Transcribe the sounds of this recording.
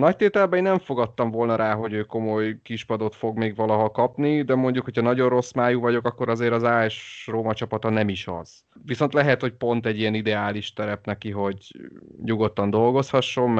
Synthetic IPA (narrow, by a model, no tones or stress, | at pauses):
nɒc̚t̪eːt̪ɛlbɛiːnɛɱfo̞ɡɒt̪ːɒɱvo̞lnɒɾaːɦo̞ɟøːko̞mo̞jkiʃpɒd̪o̞t̪fo̞ɡmeːɡʋɒlɒɦɒkɒpnid̪ɛmo̞ɲɟukho̞cʰɒnɒɟo̞rro̞smaːjuvɒɟo̞kɒkːo̞ɾɒzeːɾɒzaːɛʃroːmɒt͡ʃɒpɒt̪ɒnɛmiʃɒ̰z̥ | visont̪lɛɦɛt̪ho̞c̚po̞nt̪ɛɟːijɛnid̪ɛaːliʃt̪ɛɾɛpnɛkiɦo̞ɟɲuɡo̞t̪ːɒnd̪o̞lɡo̞shɒʃːo̞m